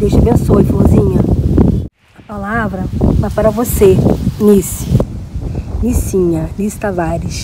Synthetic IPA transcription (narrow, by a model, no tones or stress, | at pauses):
d̪ewt͡ʃɪbẽsojfõzĩɲɐ | ɐpalavɾɐfɛpaɾɐvosenisi̥ | nisĩɲɐlist̪avaɾiʃ